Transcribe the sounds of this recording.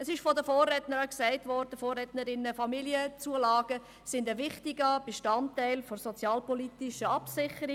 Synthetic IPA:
əsɪʃfɔdəfoːrːɛtnəɾəksɛɪtvɔɾd̥əfoːrːɛtnəɾɪnəfɑmiliət͡suəlɑːɡ̥ə | sɪndəvɪχtiɡəb̥eʃtɑntːæɪlfɔɾsɔt͡sjɑːlpɔlitɪʃəɑpsɪχəɾi

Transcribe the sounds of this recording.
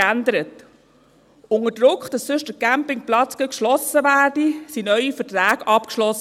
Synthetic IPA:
ændəɾət | ʊŋədɾʊkχd̥ɑssʏʃdəkæmpɪŋplɑt͡skəkʃlɔsəʋæːrdisinœʏifəɾtɾæːɡ̥ɑpkʃlɔs

